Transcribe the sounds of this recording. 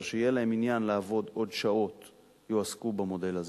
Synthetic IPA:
ʃejelaɦe̞minjanlaːvo̞do̞dʃao̞t | joaskubamo̞de̞laz

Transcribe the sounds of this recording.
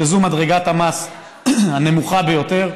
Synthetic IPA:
ezumadʁeɡat̪hamas | hane̞muχabejo̞t̪eʁ

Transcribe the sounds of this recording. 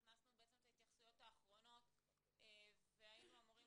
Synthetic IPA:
χnasnubeet͡semt̪ahit̪jaχsujo̞t̪aːχʁo̞no̞t̪ | eveajinuamuʁi

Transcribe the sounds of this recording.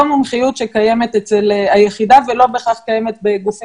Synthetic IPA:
omumχijutʃekaje̞me̞t̪et͡selajeχidavelo̞beχaχkajemet̪beɡufi

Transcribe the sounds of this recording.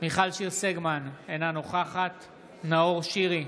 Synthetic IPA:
miχalʃiʁseɡmanenanoχaχat | naoʁʃiʁi

